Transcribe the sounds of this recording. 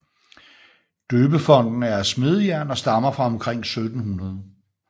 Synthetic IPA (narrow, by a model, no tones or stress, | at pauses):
d̥øːb̥əfɒ̽n̰d̥n̩æɐæsme̝ð̞ˠəjæɐnɒ̽sd̥ɑ̈mɐfʁɑ̈ɒ̽mkʰʁeŋ̰sød̥n̩hunɐð̞ˠə